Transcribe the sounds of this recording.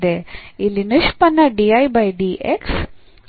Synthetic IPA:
d̪eilːinɨʃpɐnːɐɖiɐjbɐjɖiʔeks

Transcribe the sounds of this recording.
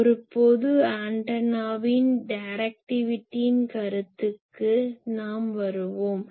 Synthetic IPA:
ɔɾɯpːoːðɯaːɳʈɐnaːʋɪnɖɐɾɐk̚ʈɪʋɪʈːijɪnkɐɾɯt̪ːɯkːɯnaːmʋɐɾɯʋoːm

